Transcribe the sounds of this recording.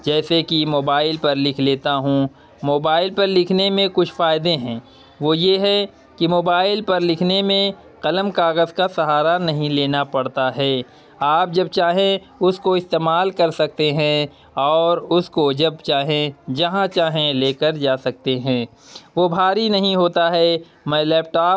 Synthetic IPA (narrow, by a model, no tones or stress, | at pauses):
d͡ʒɛːsekimoːbaːɪlpɐɾlɪkʰleːt̪aɦũ | moːbaːɪlpɐɾlɪkʰnemẽkʊt͡ʃʰfaːɪd̪eɦɛ̃ː | ʋojeɦɛ | kimoːbaːɪlpɐɾlɪkʰnemẽ | qɐləmkaːɣəzkasɐɦaːɾanɐɦĩleːnapɐɽt̪aɦɛː | aːp̚d͡ʒɐb̚t͡ʃaːɦẽ | ʊskoɪst̪eːmaːlkɐɾsɐk̚t̪eɦɛ̃ | ɔːɾʊskod͡ʒɐbt͡ʃaːɦẽd͡ʒɐɦãt͡ʃaːɦẽleːkəɾd͡ʒaːsɐk̚t̪eɦɛ̃ː | ʋobʱaːɾinɐɦĩɦoːt̪aɦɛː | mɛ̃lɛːp̚ʈaː